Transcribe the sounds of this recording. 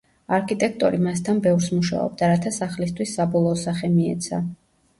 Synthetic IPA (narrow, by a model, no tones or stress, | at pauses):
aɾkʰit̪ʼɛkʰt̪ʼɔɾimast̪ʰanbɛvɾsmuʃa̰ɔ̰b̚d̪aɾat̪ʰasaχlist̪ʰwisːabɔlˠɔːsaχɛmiɛ̰t̪sʰa̰